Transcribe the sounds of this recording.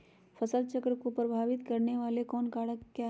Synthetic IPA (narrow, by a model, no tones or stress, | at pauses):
fʰɐsəl̚t͡ʃəkɾəkopɾɐbʱaːʋɪt̪kɐɾneʋaːlekɔːnkaːɽəkːja